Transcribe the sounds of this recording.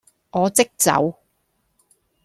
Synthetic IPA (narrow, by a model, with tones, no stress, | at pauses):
ŋɔː˨˧t͡sɪ˥k̚t͡sɐ̰˨˧˥w